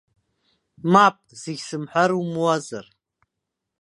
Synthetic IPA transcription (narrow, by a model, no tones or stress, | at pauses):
mapʼz̥ɪɡʲsɨmħʷaɾumwaza̰r